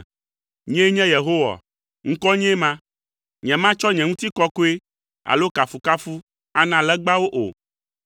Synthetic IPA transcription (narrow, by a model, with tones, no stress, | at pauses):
ɲɛ̃˦ɲɛ̃˦je˨ɦo˦wa̰˨ | ŋ̩̃˦kɔ˦ɲɛ̃˦mã˦ | ɲɛ̃˨mã˦t͡ʃɔ˦ɲɛ̃˨ŋũ˦t̪i˦kɔ˦ko˦e˦ | a̰˨lo˦ka˨fu˨ka˦fu˦ | a˦nã˨lɛ˦ɡ͡ba˦wo˦ʔo̰˨